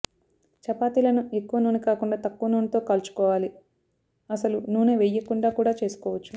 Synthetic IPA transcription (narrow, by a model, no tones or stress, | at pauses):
t͡ʃɐpaːt̪ilɐnue̞kːuʋɐnuːnikaːkuɳɖaːt̪ɐkːuʋɐnuːnit̪o̞ːkɐlt͡ʃu̥kɔːʋaːli | ɐsɐlunuːneːʋejːɐkuɳɖaːkuːɽaːt͡ʃe̞ːsu̥kɔːʋɐt͡ʃːu